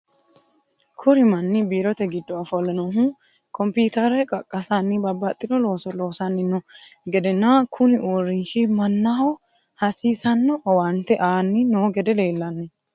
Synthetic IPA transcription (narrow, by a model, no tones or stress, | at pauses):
kʰʊɾɪmɐnːɪbiːɾɔt̪ɛɡɪd̪ːɔɐfɔlːɐnɔɦu | kʰɔmpiːt̪ɐɾɛkʼɐkʼːɐsɐnːɪbɐbːɐt̪ʼːɪd̪ɔlo̞ːsɔlo̞ːsɐnːɪnːɔɡɛd̪ɛnːakʰʊnɪʔorːɪnʃɪmɐnːɐhɔ | hɐsiːsɐnːɔwɐnt̪ːɛʔaːnːɪnɔɡɛd̪ɛle̞ːlːɐnːɔ